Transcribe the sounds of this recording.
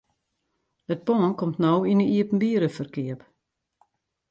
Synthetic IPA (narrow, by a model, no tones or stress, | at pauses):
ət̚pɔːənkɔmtnowinəiəpn̩biəɾəfərkɪəp